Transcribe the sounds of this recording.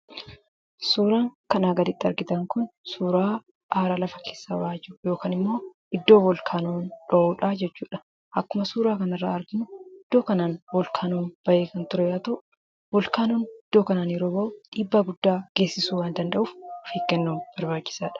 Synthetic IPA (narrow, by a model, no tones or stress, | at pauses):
suːɾaːŋkɐnaːɡɐd̪ɪt̪ʼːɪɐɾɡɪt̪ɐŋkʊnsuːɾaː | ʔaːɾaːlɐfɐkʰe̞ːsːa̰ːwaːd͡ʒɪɾʊjo̞ːkaːnɪmːo̞ː | ɪd̪ːo̞ːwɔlkʰaːnoːnᶑoʔuːᶑɐd͡ʒɛt͡ʃːuːᶑɐ̥ | ɐkːʊmɐsuːɾaːkɐnɐrːa̰ːɐɾɡɪnʊɪd̪ːo̞ːkɐnaːnwɔlkʰaːnoːnb̥ɐʔeːkɐnt̪ʊɾɛjaːt̪ɐʔ | wɔlkaːnoːnɪd̪̥ːo̞ːkɐnaːnɪɾoːbɐʔʊᶑiːbːaɡʊd̪ːaːɡ̥e̞ːsːɪsuːwaːnd̪ɐnd̪ɐʔuːfʊfeːkːɛnːoːnb̥ɐɾbaːt͡ʃːɪ̥saːᶑɐ̥